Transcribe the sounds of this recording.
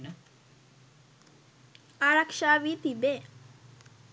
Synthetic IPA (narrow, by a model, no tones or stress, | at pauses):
nə | aɾɐkʂaːʋiːt̪ib̪eː